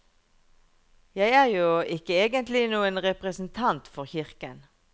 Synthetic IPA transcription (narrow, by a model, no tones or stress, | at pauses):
jæɪæːʁjuːɪkəeːɡənt̪lɪnuːənʁɛpʁəsn̩t̪ʰɑnt̪fɔʁçɪʁkən